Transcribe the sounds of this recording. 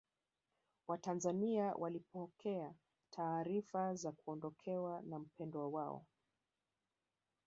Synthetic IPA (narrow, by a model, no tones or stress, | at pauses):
watanzaniawʔalipɔkʰɛa | tʰaːɾifazakuɔndɔkʰɛwanam̩pɛndɔawaɔ̰